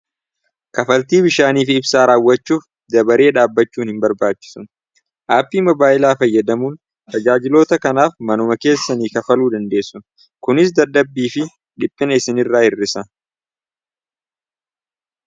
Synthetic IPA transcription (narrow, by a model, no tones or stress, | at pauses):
kɐfɐlt̪iːbɪʃaːniːfɪbsaːɾaːwːɐt͡ʃːuːf | d̪ɐbɐɾe̞ːᶑaːbːɐt͡ʃːuːnhɪmbɐɾbaːt͡ʃːɪ̥sʊn | ʔaːpːiːmɐbaːʔɪlaːfɐjːɐd̪ɐmuːn | t̪ɐd͡ʒaːd͡ʒɪlo̞ːt̪ɐkɐnaːfmɐnʊmɐke̞ːsːɐniːkɐfɐluːd̪ɐnd̪e̞ːsːʊn | kʊnɪs̬d̪ɐd̪ːɐbːiːfɪ | ᶑɪpʼːɪnɐɪsɪnɪrːaːhɪrːɪsɐ